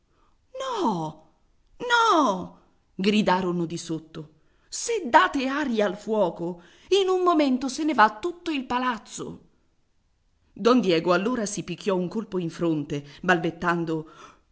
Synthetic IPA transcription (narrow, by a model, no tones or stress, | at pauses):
nɔ | nɔ | ɡɾid̪aːɾonod̪isot̪ːo | sed̪ːaːt̪eaːɾjiaːlfwɔːko | inumːoment̪osenevat̪ːut̪ːoilpalat̪sːo̰ | d̪ɔnd̪jɛːɡoalːoːɾasipikːjɔuŋkolpoiɱfɾont̪ebalbet̪ːand̪o